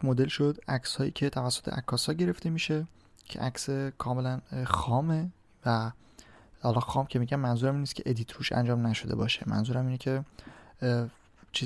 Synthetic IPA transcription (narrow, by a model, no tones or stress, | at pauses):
mod̪e̞lʃod̪ʔækshɒːjḭːcʰe̞t̪ʰævæsːo̥t̪ʰḛʔækʰːɒːsɒːɟe̞ɾe̞ft̪e̞miːʃe̞ | cʰeʔæksekʰɒːme̞lænxɒːme | væ | hɒːlɒːxɒːmcʰe̞miːɟænmænzuːɾæmiːnːiscʰe̞ʔed̪iːt̪ʰɾuːʃæ̰nd͡ʒɒːmnæʃo̞d̪e̞bɒ̰ːʃe̞mæ̰nzuːɾæmiːnecʰe̞ | t͡ʃʰiː